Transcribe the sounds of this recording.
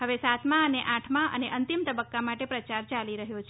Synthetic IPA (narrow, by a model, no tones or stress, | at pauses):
ɦəʋesat̪mãəneʔãʈʰmãʔə̰neʔənt̪imt̪əbəkːamaʈepɾət͡ʃaɾt͡ʃaliɾəɦjot͡ʃʰ